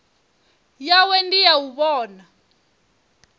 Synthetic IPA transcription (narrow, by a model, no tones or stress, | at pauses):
jawɛndijawuβɔːna